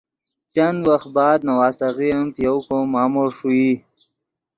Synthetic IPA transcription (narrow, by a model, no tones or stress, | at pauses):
t͡ʃanwaxt̪̚bɑːd̪̚nawɑːst̪aɣiəmpjawkomɑːmoɾʂui